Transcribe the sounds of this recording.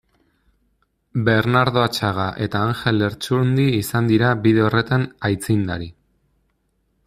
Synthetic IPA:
be̞ɾnaɾðo̞at͡ʃaɣ̞aʔe̞t̪aːŋxe̞le̞ɾt͡ʃund̪iːsand̪iɾaβiðe̞o̞re̞t̪anajt͡sind̪a̰ɾi

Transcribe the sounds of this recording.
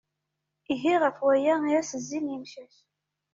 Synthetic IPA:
iɦiʁəfwæjæiæsəzːinjimʃæç

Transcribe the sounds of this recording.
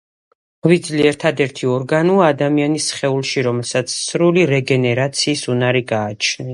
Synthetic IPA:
vid̪zliɛɾt̪ʰad̪ɛɾt̪ʰiɔɾɡanuaːd̪amianisχɛulˠʃiɾɔmɛlˠsat̪sʰsɾuliɾɛɡɛnɛɾat̪sʰiːsunaɾiɡaːt͡ʃʰni

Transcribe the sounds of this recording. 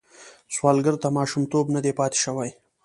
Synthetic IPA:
swɑːlɡəɾt̪amɑːʃumt̪obnad̪epɑːt̪e̥ʃawaj

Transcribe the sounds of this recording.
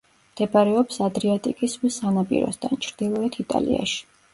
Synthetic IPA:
md̪̥ɛbaɾɛɔpsad̪ɾiat̪ʼikʼiswisanapʼḭɾɔ̰sd̪ʰant͡ʃʰɾd̪̥ilˠɔɛt̪ʰit̪ʼa̰lḭa̰ʃi̥

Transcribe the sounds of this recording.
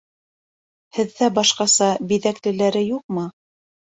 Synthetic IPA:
hɘ̆ðːæbɑʃqɑsɑbiðæklɘ̆læɾɘjuq̚mɤ

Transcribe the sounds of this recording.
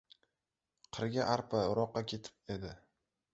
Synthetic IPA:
qʰɨɾɡʲaʔaɾpʰaʊɾɒqːɑkʲʰe̞t̪ʰɪ̥p̚e̞d̪ɪ

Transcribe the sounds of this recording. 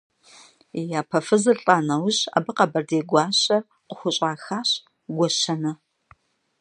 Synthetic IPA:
jaːpʰɐfɨzɨrɬʼaːnɐwɕa̰ːbɨqɐbɐrdeːɡʷɑːɕɐr | qʷʊxʷʊɕʼaːxaːɕ | ɡʷɔɕɐnɐ

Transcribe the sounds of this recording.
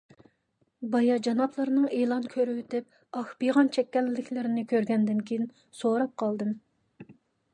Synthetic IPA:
bɑjɑd͡ʒɑnɑpʰlˠɨɾnɨŋeːlˠɑnkʲʰøɾwyt̪ɪp̚ | ɑxbiʁɑnt͡ʃʰɛkʲːɛlːɪkʲʰlɪɾɪnɪkʲʰøɾɡʲɛnd̪ɪnkʲʰejin | soɾɑp̚qʰɑlˠd̪ɨm

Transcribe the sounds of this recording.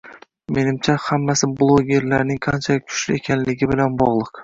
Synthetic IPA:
me̞nɪmt͡ʃʰahamːasɪblˠoɡʲe̞ɾlaɾnɪŋqʰɑnt͡ʃʰakʲʰʊ̥ʃlɪe̞kʲʰanlɪɡʲɪbɪlanbɒʁlˠɨq

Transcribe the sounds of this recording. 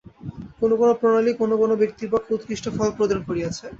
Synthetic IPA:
konokonopɾonalikonokonobek̚t̪ibakut̪kɾiʃʈʰofɔlpɾod̪ankoɾiat͡ɕʰe

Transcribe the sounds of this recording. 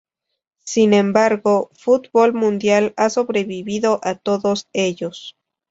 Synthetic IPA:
sinẽ̞mbaɾɣo̞fut̪bolmũnd̪jalasoβɾeβiβiðo̞ʔat̪o̞ðo̞se̞ʝo̞s

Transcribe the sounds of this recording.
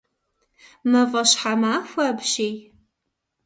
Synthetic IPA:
mɐvɐɕħamaːfʷɐbʃej

